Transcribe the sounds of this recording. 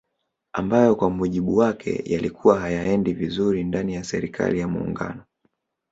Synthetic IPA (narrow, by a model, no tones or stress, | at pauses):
ambajɔkwamuʄiɓuwakʰɛ̰jalikuwaɦajaɛndivizuɾindanijasɛɾikʰa̰lijamṵːŋɡa̰nɔ